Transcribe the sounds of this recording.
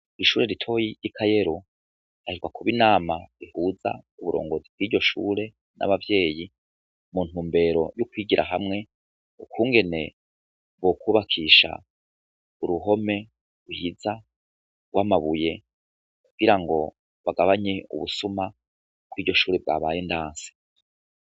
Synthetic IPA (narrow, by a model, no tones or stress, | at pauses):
iʃuːɾe̞ɾitʰo̞ːjijikʰaje̞ɾu | ahiɾɡwakʰuβinaːmaɾihuːza̰uβuɾo̰ːŋɡo̞zib̚ɡwiːɟo̞ʃṵːɾe̞ | nʔa̰βavje̞ːji | muːn̥huːmbe̞ɾo̞jukwiːɡiɾʔa̰ɦamŋe̞ | ukuːŋɡe̞ne̞ | βokuːβakʰiːʃa̰ | uɾuɦo̞me̞ | wuhiza | waːmaβuje̞ | kuɡ̥iɾaŋɡo̞ | βaɡaβaɲe̞ṵβusumḁ | ɡwiːɾɟo̞ʃuːɾeb̚ɡa̰βaːjendaːnse̥